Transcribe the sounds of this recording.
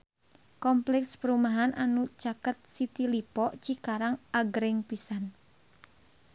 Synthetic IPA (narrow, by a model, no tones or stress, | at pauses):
kɔmplɛkspəɾumaɦanʔanut͡ʃakət̪̚sit̪ilipɔʔt͡ʃikaɾaŋaɡɾɪŋpisan